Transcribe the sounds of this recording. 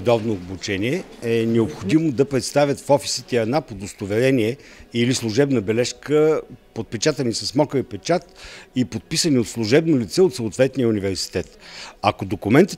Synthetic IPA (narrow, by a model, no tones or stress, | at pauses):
d̪ɔvnoːbut͡ʃɛniɛɛnɛopxod̪imod̪ɐpɾɛt̪st̪avʲət̪fɔfi̥sit̪ɛiɐd̪napod̪ost̪ovɛɾɛniɛ | ilislˠʊʒɛbnəbɛlɛʃkəpot̪̚pɛt͡ʃat̪ɐnisɐsmɔkəɾipɛt͡ʃat̪ipot̪̚pisəniot̪slˠuʒɛbnolit̪sɛot̪soːt̪vɛt̪nijəunivɛɾsi̥t̪ɛt̪ɐkod̪okʊmɛnt̪ə̥